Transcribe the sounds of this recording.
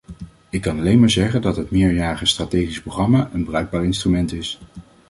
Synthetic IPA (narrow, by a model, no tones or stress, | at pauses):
ɪkːɑnɑlejnmaːɹzɛχəndɑtɦətmɪːjaːɾəχəstratejχisproχrɑmaːʔənbərœɥɡ̚baːɹɪnstrymɛntɪs